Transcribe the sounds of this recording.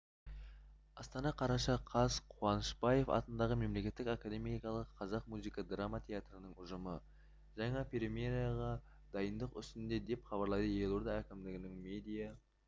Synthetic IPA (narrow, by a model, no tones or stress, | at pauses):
ɑst̪ɑnɑqʰɑɾɑʃɑqʰɑzqʰuɑnəʃbɑje̞fɑ̰t̪ənd̪ɑʁəme̞mle̞kʲe̞t̪ːɪkakad̪emikɑlˠəqʰːɑzɑq̚muzikɑd̪ramat̪ʰʲe̞at̪rənəŋʊʒəmə | ʒɑɴɑpʰʲeɾimʲeɾijaʁɑ | d̪ɑjənd̪əqʏst̪ɪnd̪e̞d̪e̞pχɑbɑɾlˠɑjd̪əje̞lˠoɾd̪ɑækʲɪmd̪ɪɡʲɪnɪŋme̞d̪ija